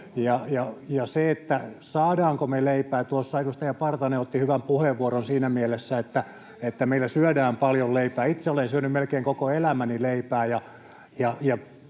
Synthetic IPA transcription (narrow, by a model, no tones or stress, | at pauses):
jɑjɑjɑseet̪ːæsɑːdɑːŋkomeleipæːt̪uosːɑedust̪ɑjɑpɑrt̪ɑneot̪ːihyʋæmpuheʋːuoronsiːnæmielesːæet̪ːæ | et̪ːæmeilːæsyødæːmpɑljolleipæːit̪seolensyønymmelkeiŋkokoelæmænileipæːjɑ | jɑjɑ